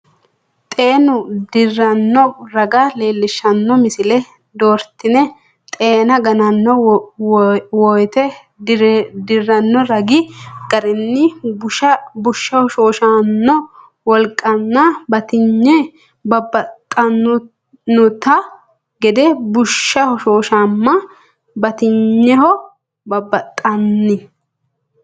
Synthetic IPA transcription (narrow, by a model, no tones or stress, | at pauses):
t̪ʼe̞ːnʊd̪ɪrːɐnːɔɾɐɡale̞ːlːɪʃɐnːɔmɪsɪlɛ | d̪oːɾt̪ːɪnɛ | t̪ʼe̞ːnɐɡɐnɐnːɔ | wɔjt̪ɛ | d̪ɪrːɐnːɔɾɐɡɪɡ̥ɐɾɪnːɪbʊʃɐbʊʃːɐhɔʃoːʃanːɔ | wɔlkʼɐnːabɐt̪ɪɲːɛ | bɐbːɐt̪ʼːɐnːʊ | nːʊt̪ɐ | ɡɛd̪ɛbʊʃːɐhɔʃoːʃamːɐ | bɐt̪ɪɲːɛɦɔ | bɐbːɐt̪ʼːɐnːɪ